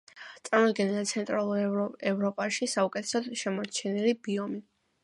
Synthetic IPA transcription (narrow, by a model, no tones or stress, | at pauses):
t̪sʼaɾmɔd̪ɡɛnɛlit̪sʰɛnt̪ʼɾalˠuɾɛvɾɔpʼaʃisaukʼɛt̪ʰɛ̥sɔd̪̥ʃɛmɔt͡ʃʰɛnilibiɔmi